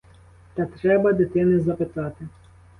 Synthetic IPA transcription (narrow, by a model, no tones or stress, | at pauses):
t̪at̪ɾɛbɐd̪ɛt̪ɪnɪzɐpɪt̪at̪ɪ